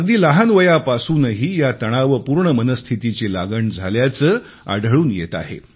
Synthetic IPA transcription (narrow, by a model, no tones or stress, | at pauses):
ɡd̪iːlaɦanʋəjapasuːnəɦiːjat̪əɽ̃aʋəpuːɾɳəmənəst̪ʰit̪it͡ɕelaɡəɳd͡zʱaljat͡səː | a̰ɖʱəɭuːnjet̪a̰ɦḛ